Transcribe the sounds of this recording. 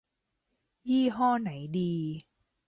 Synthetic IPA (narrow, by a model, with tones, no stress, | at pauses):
jiː˥˩ɦɔː˥˩na˩˦jdiː˧